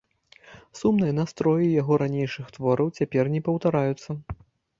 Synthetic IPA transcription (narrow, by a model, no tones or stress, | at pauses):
sumnɨjɐnast̪ɾɔjijaɣɔɾanʲejʂɨxt̪vɔɾʔɐwt͡sʲapʲɛrnʲɛpɐwt̪aɾajut̪sːɐ